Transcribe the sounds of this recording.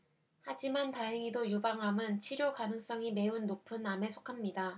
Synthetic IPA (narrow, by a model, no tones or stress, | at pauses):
had͡ʑimantaɦeŋidojubaŋɦamɯnt͡ɕʰiɾjokanɯŋs͈ʌŋime̞unːopʰɯname̞sʰo̥kʰamɲida